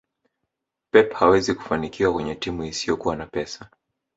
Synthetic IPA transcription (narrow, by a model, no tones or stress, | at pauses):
pɛphawɛziku̥fanikiwakwɛɲɛtimuisijɔkuwanapɛsa